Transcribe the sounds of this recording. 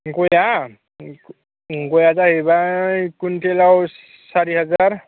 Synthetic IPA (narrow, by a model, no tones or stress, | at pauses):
koja | ɡojazaɦebakuntɛlaw | saɹiɦazaɹ